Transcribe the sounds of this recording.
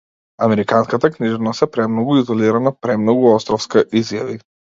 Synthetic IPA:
amɛɾikanskat̪akniʒɛnast̪ɛpɾɛmnɔɡuizɔliɾanapɾɛmnɔɡuɔst̪ɾɔfskaʔizjavi

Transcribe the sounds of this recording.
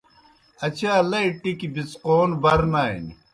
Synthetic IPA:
ɐt͡ɕʰaːlɐiʈːikibit͡sqoːnbɐɾnaːḭni

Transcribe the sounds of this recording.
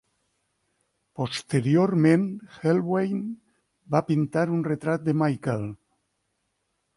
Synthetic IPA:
post̪eɾjoɾmẽnxelβwejn | bapint̪aɾunret̪ɾat̪̚d̪emajkel

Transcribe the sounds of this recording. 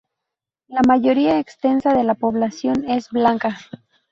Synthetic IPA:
lamaʝo̞ɾiaekst̪e̞nsaðe̞lapo̞βlasjo̞ne̞zblaŋka

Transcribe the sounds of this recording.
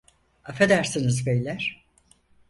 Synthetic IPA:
afed̪æɾsinizbejlʲæɾ̥

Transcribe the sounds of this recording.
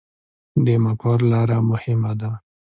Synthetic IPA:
d̪emakɑɾlɑɾamʊhɪmad̪a

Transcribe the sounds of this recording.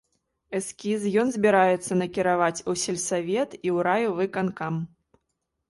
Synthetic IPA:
ɛskʲizjɔnzʲbʲiɾajɛt̪sːɐnɐkʲiɾavat͡sʲusʲɛlʲsavʲɛt̪iwɾajuvɨkankam

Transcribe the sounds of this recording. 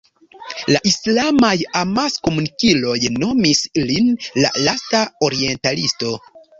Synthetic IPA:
laʔislamajamasko̞munikilo̞jno̞mislinla̰lastao̞ɾie̞ntalisto̞

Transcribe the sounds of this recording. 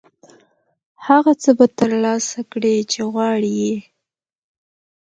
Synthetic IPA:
haɣat͡səbat̪əɾlɑsakɽet͡ʃeɣwɑɽije

